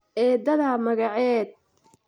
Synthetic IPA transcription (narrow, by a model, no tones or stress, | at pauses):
ʔɛːd̪ɐðɐmɐɣɑʕɛːd̪̚